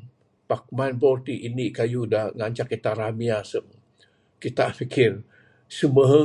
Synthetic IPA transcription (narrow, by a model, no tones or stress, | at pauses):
pak̚manbɔrt̪iʔinikajudaŋaɲt͡ʃakːit̪aɾamiasəŋ | kit̪a̰ʔfikɪr | səməɦə